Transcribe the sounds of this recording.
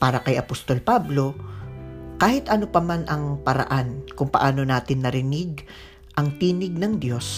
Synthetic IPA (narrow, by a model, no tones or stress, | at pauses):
paːɾɐkɐjʔɐpost̪o̞lpablo̞ | kaːhɪt̪ʔɐnopɐmanʔɐŋpɐɾɐ̰ʔankʊŋpɐʔaːno̞naːt̪ɪnːɐɾɪnɪɡ̚ | ʔɐŋt̪iːnɪɡ̚nɐŋd̪jo̞s